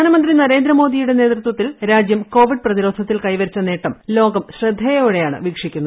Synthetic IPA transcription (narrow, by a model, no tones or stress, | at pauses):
aːnɐmɐnd̪rinɐɾe̞ːnd̪ɾɐmo̞ːd̪ijuɽe̞ne̞ːt̪rɨt̪wɐt̪ːilɾaːd͡ʑjɐmko̞ːʋiɖ̚prɐðiɾo̞ːd̪ʱɐt̪ːilkɐjʋɐɾit͡ɕːɐne̞ːʈːɐmlo̞ːɡɐmɕrɐd̪ʱːejɐuɽejaːɳɨ̰ʋikʂikʲːunːɐð